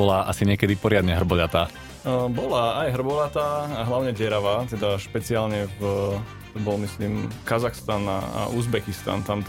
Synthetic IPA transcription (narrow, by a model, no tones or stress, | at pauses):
ɔlaʔasiɲɪɛkɛd̪ipɔɾɪad̪ɲɛɦr̩bɔʎat̪aː | bɔlaːjɦr̩bɔʎat̪aːaɦlaʊɲɛɟɛɾaʋaːt̪ɛd̪aʃpɛt͡siaːlɲɛv | t̪ɔbɔlmisliːmkazaxst̪ana̰a̰ʔuzbɛkist̪a̰nt̪an